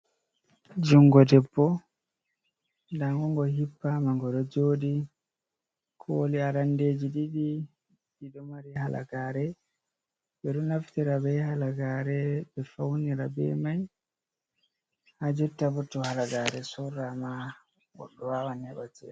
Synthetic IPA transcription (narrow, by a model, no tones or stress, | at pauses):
d͡ʒuŋɡɔdɛpːɔ | ndaŋɡɔŋɡɔhipːamaŋɡɔɗɔd͡ʒoːɗi | kʰoːliaɾandeːd͡ʒiɗiɗi | ɗiɗɔmaɾiɦala̰ɡaːɾɛ | bɛɗɔnaftiɾabɛhalaɡaɾɛbɛfawniɾabɛ̰maj | had͡ʒɛtːabɔtːɔhalaɡaɾɛsɔrama | wɔ̰ɗɔwawanhɛɓatɛ̰